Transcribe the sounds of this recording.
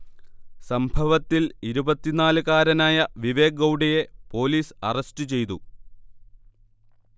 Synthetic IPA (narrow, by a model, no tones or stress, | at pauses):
sɐmbʱɐʋɐt̪ːiliɾubɐt̪ːinaːlɨkaːɾɐnaːjɐʋiʋe̞ːɡɐwɖɐje̞po̞ːliːsɐrɐstɨt͡ɕe̞jt̪u